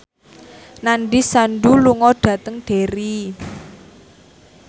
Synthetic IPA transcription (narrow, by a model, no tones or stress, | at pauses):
naɳɖisaɳɖuluŋɔɖ̥ä̤t̪əŋɖ̥e̤ɾi